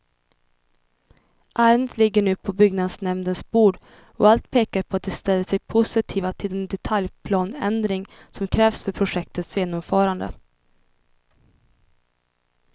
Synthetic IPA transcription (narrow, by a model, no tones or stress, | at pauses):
ʔaːɾənd̪ət̪ʰlɪɡːəɳʉ̟ːpʰɔbʏɡnad̪snɛmnənsbuːɖ | ɔ̰alt̪̚pʰeːkaɾpʰɔat̪̚d̪ɛst̪ɛlːəʂɛjpʰʊsɪt̪ʰiːvat̪ʰɪlɛnd̪ɛt̪ʰaljpʰlɑːnɛ̰nd̪ɾɪŋsɔmkʰɾɛːvsfœɾpʰɾʊʂɛk̚t̪ət̪sjeːnɔmfœːɾand̪ə̰